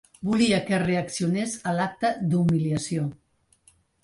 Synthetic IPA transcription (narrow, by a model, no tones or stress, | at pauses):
buliəkəreəksiunesəlak̚t̪əd̪umiliəsio